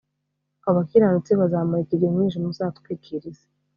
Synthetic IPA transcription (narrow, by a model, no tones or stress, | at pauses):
aβakiɾanut͡siβazamaɾikiɡemɲiːnʃ̬imusatkekʰiɾiz̥e̥